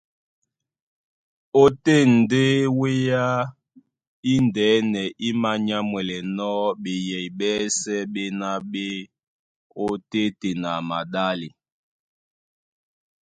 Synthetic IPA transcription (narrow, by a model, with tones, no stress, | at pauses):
o˦te˦˨n̩˨de˦we˦ja˦ | i˦ndɛː˨˦nɛ˨ʔi˦ma˦ɲa˦mwɛ˨lɛ˨nɔ˦ɓe˨jɛ˨jɓɛ˦sɛ˦ɓe˦na˦ɓe˦ | o˦te˦te˨na˨ma˨ɗa˦li˨